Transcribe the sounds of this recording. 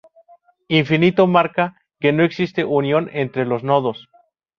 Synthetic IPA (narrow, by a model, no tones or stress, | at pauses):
iɱfinit̪o̞maɾka | ke̞no̞e̞ksist̪e̞ʔunjo̞nent̪ɾelo̞zno̞ðo̞s